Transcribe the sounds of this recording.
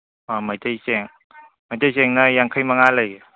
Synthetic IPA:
amajtajsɛŋ | majtajsɛŋnajaŋkʰajmaŋalɯj

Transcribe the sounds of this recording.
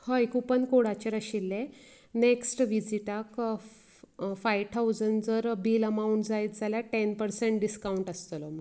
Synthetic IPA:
həikupənkoɽat͡ɕeɾəɕilːe | neksʈʋid͡ziʈak | fajʋt̪ʰaud͡zənɖd͡zəɾbiːləmauɳʈd͡zajt̪d͡zʱaljaʈɛnpəɾseɳʈ̚ɖiskauɳʈəst̪əlɔm̤ə

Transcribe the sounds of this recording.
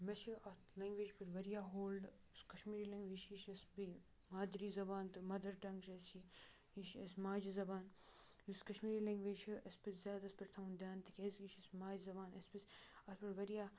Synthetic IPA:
mɐʃiɐt̪ʰleŋɡʋeːd͡ʒpiɾʋɐɾijaːɦoːlɖ | skɐʃmiːɾiːlɐ̃ŋɡʋiːʃiʃɐsbi | maːd̪ɾiːzɐbaːnt̪ɨmɐd̪ɐɾʈɐŋkʃesi | iʃɐ̰smaːd͡ʒizɐbaːn | uskɐʃmiːɾiːleŋɡʋeːd͡ʒt͡ʃiɐspiszʲaːd̪ɐspɪɾt̪ʰɐwnd̪jaːnt̪ikʰʲeziʃɐsmaːd͡ʒzɐbaːnɐspisɐt̪pɪɾʋɐɾijaː

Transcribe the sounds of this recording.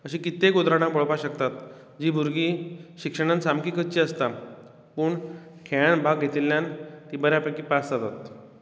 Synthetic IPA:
əɕĩkit̪ːekod̪ɾaɽ̃ãboɭpaɕəkt̪at̪ | d͡ʑiːbʱuɾɡiːɕikʂəɽ̃ansamkiːkət͡ɕiːəst̪a | puːɳ | kʰeɭaɳbʱaɡɡʱet̪ilːjant̪ibəɾjapekiːpast̪at̪at̪

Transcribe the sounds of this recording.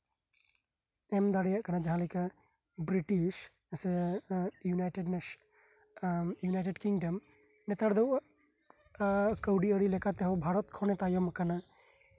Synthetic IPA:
ɛmd̪aɽɛjaʔkanad͡ʒaɦãlika | bɾiʈiʃ | sɛ | junajʈɛɖnɛ | junajʈɛɖkiŋɖəm | nɛt̪aɽd̪ɔwʔa | kəwɖiəɽilɛkat̪ɛɦɔwbʱaɾɔt̪̚kʰɔnɛt̪ajɔmkana

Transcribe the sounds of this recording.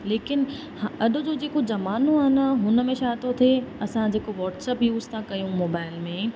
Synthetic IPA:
leːkɪn | hɐɗʊ̆d͡ʑoːd͡ʑeːkod͡ʑɐmaːnoaːnəɦʊnəmẽʃaːt̪ot̪ʰeɐsãd͡ʑeːkoʋɔːʈsɛːpjuːzt̪ʰãkɐjũmoːbaːɪlmẽː

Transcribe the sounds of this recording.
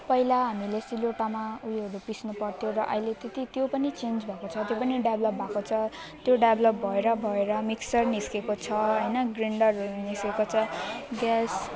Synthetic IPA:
pʌilaɦamilesiloʈamaujɦʌɾupisnupʌrt̪ʰjoɾʌʔʌ̰ɦilet̪et̪it̪jopʌnit͡send͡zbʱakot͡sʰʌt̪jopʌniɖjablʌp̚bʱakot͡sʰʌ | t̪joɖablʌp̚bʱʌeɾʌbʱʌeɾʌmiksʌrniskekot͡sʰʌɦʌjnʌɡriɳɖʌrniskekot͡sʰʌɡas

